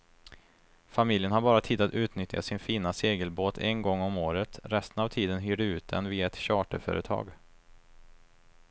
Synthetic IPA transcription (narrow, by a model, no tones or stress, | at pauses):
famɪljənɦaɾbɑːɾat̪ʰiːd̪at̪ʉ̟ːt̪nʏt̪ja̰sɪnfiːnaseːɡəlboːt̪ʰɛ̰nɡɔŋːɔmoːɾət̪ɾɛst̪ənavt̪ʰiːd̪ənɦyːɖəʉ̟ːt̪̚d̪ɛ̰nviːaɛt̪ɕɑːʈəɾfœ̰ːɾət̪ʰɑ̰ːɡ